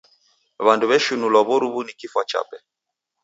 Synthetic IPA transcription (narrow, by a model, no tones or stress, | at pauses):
βanduβɛʃunulwaβɔɾuβunikifwat͡ʃa̰pɛ